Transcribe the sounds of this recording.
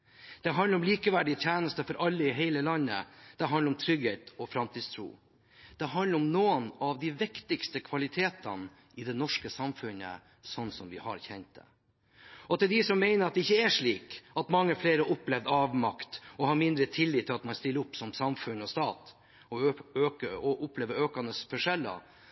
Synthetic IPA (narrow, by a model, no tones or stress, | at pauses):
d̪̥ɛɦɑnləɾɔmliːkəʋæɖɪt̪ʰjæːnəst̪əfɔɾʔɑlːəɪɦeɪləlɑnːə̰d̪̥ɛɦɑnləɾɔmt̪ʰɾʏɡheːt̪ɔfɾɑmt̪ʰiːd̪st̪ʰɾṵː | d̪̥ɛɦɑnləɾɔmnoːənɑʋd̪ɪʋɪkt̪ɪɡst̪əkʰʋɑlɪt̪ʰeːt̪ə̰n | ɪd̪ɛnɔʂkəsɑmfʉnə̰ | sɔnːsɔmʋɪ̰hɑ̰ɾçɛnt̪̚d̪ɛ̰ | ɔt̪ɪld̪ɪsɔmːæɪnəɾɑt̪̚d̪ɛɪçːəæʂɭiːkɑt̪mɑŋːəfleːɾəʔɔplɛʋd̪ɑːʋmɑkt̪ɔhɑɾmɪnd̪ɾət̪ʰɪlːiːt̪ʰːɪlɑt̪̚mɑnst̪ɪlːəʊpːsɔmsɑmfʉnɔst̪ɑːt̪ | ɔøkəɔʔʊpleːʋəɾøːkɑnəsfɔʂɛlːɑ̰